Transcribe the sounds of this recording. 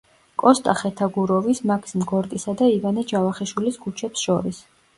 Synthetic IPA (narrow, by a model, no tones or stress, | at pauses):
kʼɔst̪ʼaχɛt̪ʰaɡuɾɔvismakʰsimɡɔɾt̪ʼisad̪aivanɛd͡ʒavaχiʃwiliskʰut͡ʃʰɛpsʃɔɾis